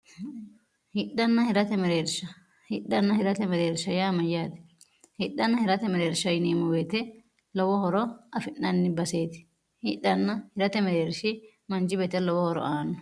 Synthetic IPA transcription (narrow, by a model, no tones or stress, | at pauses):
hɪɗːɐnːɐhɪɾɐt̪ɛmɛɾeːɾʃɐ | hɪɗːɐnːɐhɪɾɐt̪ɛmɛɾeːɾʃɐjaːmɐjaːt̪ɛ̥ | hɪɗːɐnːɐhɪɾɐt̪ɛmɛɾeːɾʃɐjɪneːmɔwet̪ɛ | lɔwɔhɔɾɔɐfɪnːɐnːɪbɐseːt̪ɪ̥ | hɪᶑːɐnːɐhɪɾɐt̪ɛmɛɾeːɾʃɪ | mɐnd͡ʒɪbet̪ɛlɔwɔhɔɾɔ̰ʔaːnːɔ